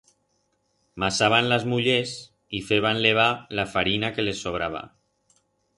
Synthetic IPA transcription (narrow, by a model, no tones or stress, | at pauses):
masaβanlazmuʎes | ifeβanleβ̞alafaɾinakelesoβ̞ɾaβa̰